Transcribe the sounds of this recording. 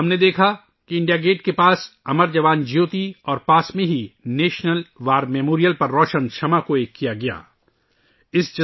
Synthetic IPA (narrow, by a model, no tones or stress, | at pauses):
ɦɐmned̪eːkʰa | kiɪ̃ɳɖijaɡeːʈkepaːsɐməɾd͡ʒɐʋaːnd͡ʒjoːt̪iɔːɾpaːsmẽɦineːʃnəlʋaːɾmeːmoːɾijəlpɐɾːɔːʃənʃʰɐmakoeːkːijaɡɐja̰ː | ɪsd͡ʒɐ